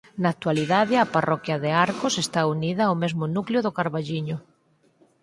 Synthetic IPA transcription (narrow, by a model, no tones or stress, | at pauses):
nak̚t̪waliðaðɪaparʔɔkjɐðeaɾkosest̪auniðɐomezmʊnukljʊðʊkaɾβaʎiɲʊ